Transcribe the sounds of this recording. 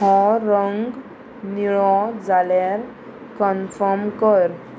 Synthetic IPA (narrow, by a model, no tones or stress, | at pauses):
ɦɔ̃ɾəŋɡ | niɭɔ̃d͡zalaɾ | kənfəmkəɾ